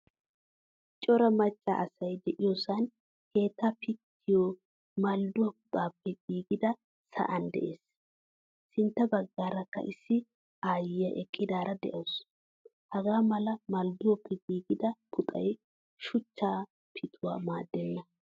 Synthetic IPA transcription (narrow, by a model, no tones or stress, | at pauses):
t͡ʃʼɔɾɐmɐt͡ʃʼːa̰ːʔɐsɐjd̪ɛʔɪjoːsɐn | ke̞ːt̪ːapɪt̪ːɪjo | mɐld̪ʊwɐk̚ʊ̥t̪ʼaːpːɛɡiːɡɪd̪ɐ | sɐ̰ʔɐnd̪ɛ̰ʔeːs | sɪnt̪ːɐbɐɡːaːɾɐkːɐ̰ʔɪsːɪ | aːjɪjɐʔɛkʼːɪd̪aːɾɐd̪ɛ̰ʔoːs | hɐɡaːmɐlɐmɐld̪ʊwɔpːɛɡiːɡɪd̪ɐkʰʊt̪ʼɐ̰j | ʃʊt͡ʃːaː | pʰɪt̪ʰʊwa̰ːmaːd̪ːɛnːɐ